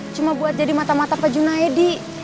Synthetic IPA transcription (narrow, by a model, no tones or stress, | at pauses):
t͡ʃumabuat̪̚d͡ʒadimat̪amat̪apad͡ʒunaɛdi